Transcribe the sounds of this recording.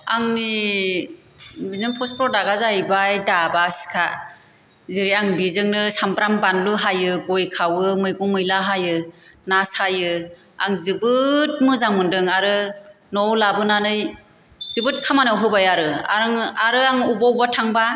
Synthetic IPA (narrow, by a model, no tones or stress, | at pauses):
aŋni | binɯmpʰɔspʰɾɔdaɡazajbajdabasi̥kʰa | zɯɾiaŋbizɯŋnɯsampɾambanluɦajɯɡɔjkʰawɯmɯjɡɔmɯjlaɦajɯnasajɯ | aŋzɯbɯt̚mɯzamɯndɯŋaɾɯ | nɔwlabɯnanɯj | zɯbɯt̚kʰamanawɦɯbajaɾɯa̰ɾɯŋaɾɯaŋubɔwbatʰaŋba